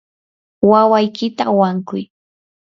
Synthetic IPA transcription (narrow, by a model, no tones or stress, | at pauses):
wawajkɪt̪awaŋkʊj